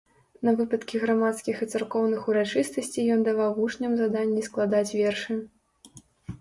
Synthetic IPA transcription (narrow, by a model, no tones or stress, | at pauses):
nɐvɨpɐt̪kʲiɣɾamat̪skʲixit̪sarkɔwnɨxuɾat͡ʂɨst̪ɐsʲt͡sʲijɔnd̪avawɦuʂnʲɐmzad̪anʲːisklˠad̪at͡sʲvʲɛrʂɨ